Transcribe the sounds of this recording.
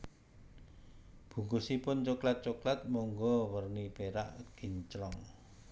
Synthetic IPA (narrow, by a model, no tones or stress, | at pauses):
b̥ṳŋɡusipʊnt͡ʃoklat̪̚t͡ʃoklat̪̚mɔŋɡɔwərnib̥eɾaʔɡ̥i̤ɲt͡ʃɾɔŋ